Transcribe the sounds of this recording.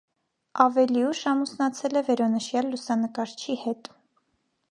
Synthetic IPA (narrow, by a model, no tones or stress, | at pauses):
ɑvɛliuʃɑmusnɑt͡sʰɛlɛvɛɾɔnəʃjɑlːusɑnəkɑɾt͡ʃʰihɛt̪